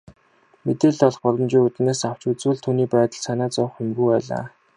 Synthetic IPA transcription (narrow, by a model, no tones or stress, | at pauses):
met̪eːɮt̪ɔɮχpɔɮɞ̆mt͡ɕiːŋut̪̆neːsaw̥t͡ɕuːt͡suːɮt̪ʰuːniːpæːt̪ə̆ɮsanaːt͡sʊːχemɡujpæːɮa̰ː